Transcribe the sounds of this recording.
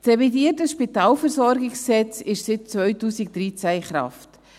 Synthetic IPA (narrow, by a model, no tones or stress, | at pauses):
sɾɛvidiːətəsʃpitaːlfɛɾszɔɾɡɪkssɛt͡sɪʃsɪt̚t͡svœʏtuːsɪk̚d̥ɾiːt͡sæiχɾɑ̰ft